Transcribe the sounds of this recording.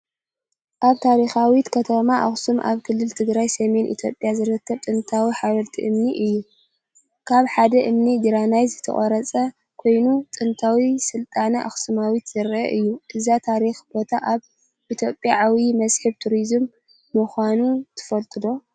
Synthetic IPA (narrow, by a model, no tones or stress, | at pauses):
ʔaβt̪ʰaɾixawit̪kʰɐt̪ʰɐmaʔa̰xsumʔa̰βkʰɨlːɨlt̪ʰɨɡɾajsɐme̞nʔḭt̪ʰjo̞pʼːjazɨɾɨk̪ʰːɐβt̪ʼɨnt̪ʰawiħaβɐlt̪ʰḭʔɨmniʔɨjːu | kʰaβħad̪ɐʔɨmnid̪ɨɾanajzɨt̪ʰɐ̰χʼɐɾɐt͡sʼɐ | kʰo̞jnut̪ʼɨnt̪ʰawisɨlt̪ʼanɐʔa̰xsɨmawit̪zɐɾʔɐ̰ʔɨjːuʔɨzat̪ʰaɾixb̥o̞t̪ʰaʔaβ | ʔit̪ʰjo̞pʼjaʕawimɐzħɨβt̪ʰuɾizɨmː | ɨxʷanut̪ʰɨ̥fɐlt̪ʼɨd̪o̞